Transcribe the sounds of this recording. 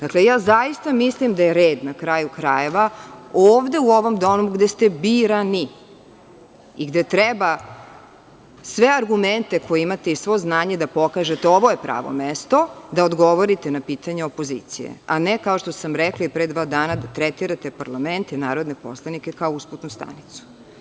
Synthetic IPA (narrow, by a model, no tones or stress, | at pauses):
d̪aklejaːzajist̪amislimd̪ajeɾeːd̪nakɾajukɾaje̞ʋaoːʋd̪e̞uo̞ʋo̞md̪onuɡd̪est̪e̞biɾani | iɡd̪et̪ɾɛba | sʋeaɾɡument̪e̞kojeimat̪e̞isʋo̞znaːɲe̞d̪apo̞kaʒet̪eoʋo̞jepɾa̰ːʋo̞̰mest̪o̞d̪aod̪ɡo̞ʋoɾit̪enapiːt̪aɲeopoziːt̪sijḛanekaoʃt̪osamɾɛklˠaipɾed̪ʋaːd̪aːnad̪at̪ɾɛt̪iɾat̪epaɾlˠament̪inaːɾo̞d̪nepo̞̰slˠanikekaousput̪nust̪a̰nit̪su̥